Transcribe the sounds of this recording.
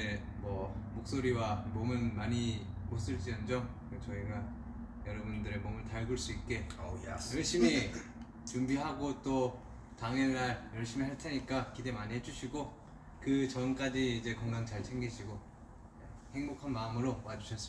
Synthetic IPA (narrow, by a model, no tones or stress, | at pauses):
emʌmok̚s͈oɾiwamomɯnmaɲimos͈ɯɭt͡ɕ͈iʌnd͡ʑʌm | ɯt͡ɕʌiɡa | jʌɾʌbundɯɾemomɯntaɭɡuɭs͈uip̚k͈e̞jʌɭɕ͈imi | t͡ɕumbiɦaɡot͈o | taŋenːaɾjʌɭɕ͈imiɦaɭtʰe̞ɲik͈akide̞maɲiɦed͡ʑuɕʰiɡo | kɯt͡ɕʌmk͈ad͡ʑiːd͡ʑe̞kʌŋɡaŋt͡ɕaɭt͡ɕʰe̞ŋɡiɕʰiɡo | ehe̞ŋbokʰanmaɯmɯɾowad͡ʑuɕʰʌs͈ɯ